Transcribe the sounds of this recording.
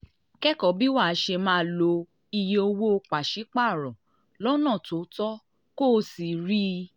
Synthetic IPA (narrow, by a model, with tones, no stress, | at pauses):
kɛ˦kɔ˨˦bi˦wa˦˨˦ʃe˧mãː˦˨lo˧ | i˧je˧o˧wo˦o˧k͡pa˨ʃi˨˦k͡pa˦˨ɾɔ̃˨ | lɔ˦nã˦˨to˨˦tɔ˦ | ko˦˧˦si˨ɾi˦